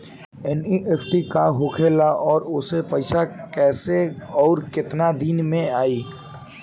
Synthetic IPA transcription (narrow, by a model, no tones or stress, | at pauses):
ɛniʔepʈikaɦokʰelaʔɔːɾʊsepəɪsakɛːseɔːɾkɪt̪nad̪iːnmẽaːiː